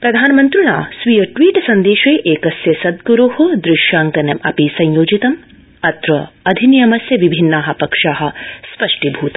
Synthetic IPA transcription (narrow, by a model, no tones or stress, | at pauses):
pɾɐd̪ʱaːnɐmɐnt̪ɾuɳa̰ːsʋijɐʈʋiːʈsɐnd̪eːʃeːʔeːkɐsjɐsɐd̪ɡuɾuɦɐd̪ɾɪʃjaːŋkɐnjɐmɐ̰piːsɐ̃jjoːd͡ʒit̪ɐm | ɐt̪ɾɐɐd̪ʱinijɐmɐsjɐʋibʱinːaːɦɐ̆pɐkʂaːɦɐ̆spɐʂʈibʱuːt̪ɐ